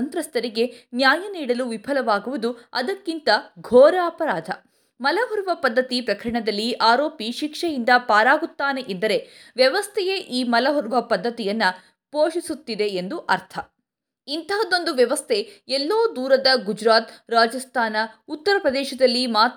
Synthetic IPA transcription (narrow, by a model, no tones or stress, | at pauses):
ɐnt̪ɾɐst̪ɐɾiɡe̞njaːjɐniːɽɐluʋipʰɐlɐʋaːɡuʋud̪uɐ̰d̪ɐkːint̪ɐɡʱɔːɾɐːpɐɾaːd̪ʱɐ | mɐlɐɦɔɾʋɐpɐd̪ːɐt̪ipɾɐkɐɾɐɳɐd̪ɐlːiʔaːɾo̞ːpiʃikʂɐjind̪ɐpaːɾaːɡut̪ːaːne̞ʔend̪ɐɾe̞ʋjɐʋɐst̪ʰɛjeʔiːmɐlɐɦɔɾʋɐpɐd̪ʱːɐt̪ijɐnːɐ | poːʃisut̪ːid̪e̞end̪uʔɐɾt̪ʰɐ | int̪ʰɐɦɐd̪o̞nd̪uʋjɐʋɐst̪ʰe̞ɛlːoːd̪uːɾɐd̪ɐɡud͡ʒɾaːt̪ɾaːd͡ʒɐst̪ʰaːnɐut̪ːɐɾɐpɾɐd̪ɛːʃɐd̪ɐlːimaː